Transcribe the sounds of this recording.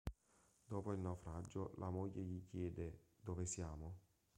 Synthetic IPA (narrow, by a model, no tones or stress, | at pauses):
d̪̥ɔːpoilnawfɾad͡ʒːʊlʔamojːeʎikjɛːd̪ed̪ovesjaːmo